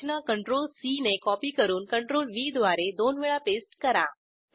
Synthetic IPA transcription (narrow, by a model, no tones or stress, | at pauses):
nəkəɳʈɾolsinekɔpiːkəɾuːnkəɳʈɾolʋiːd̪ʱʋaɾed̪onʋiɭapesʈkəɾa